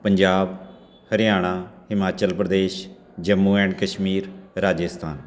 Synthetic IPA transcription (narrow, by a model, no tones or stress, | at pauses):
pəɲd͡ʒaːb | həɾɪjaːɽ̃aːhɪmaːt͡ʃəlpɾəd̪eːʃ | d͡ʒəmːuːɛ̃ːɳɖkəʃmiːɾɾaːd͡ʒəst̪ʰa̰ːn